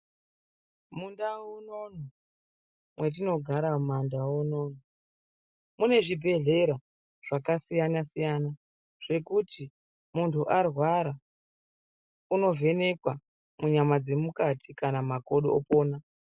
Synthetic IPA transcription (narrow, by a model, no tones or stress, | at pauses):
mundaunono | mwe̞t̬ino̞ɡʱaɾamandawonoːno | mune̞ʐibʱe̞ɮe̞ɾa | ʐ̥akasijanasijana | ʐ̥e̞kuti | muntʰuʔarwaɾa | uno̞vʱe̞ne̞kwa | muɲamad͡ze̞mukatʰikanamako̞ɗo̰opoːna